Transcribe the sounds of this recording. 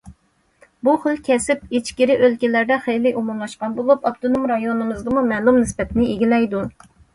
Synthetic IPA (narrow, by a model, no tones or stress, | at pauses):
buχəlˠkʲʰɛsɪp̚et͡ʃkʲiɾɪʔølkʲilæɾd̪ɛχejlɪʔomumlˠɑʃqɑnbolˠupɑpt̪ʰonumɾɑjonɨmɨzd̪ɨmumɛlˠumnɪspɛt̪ɪnɪeɡʲilɛjd̪u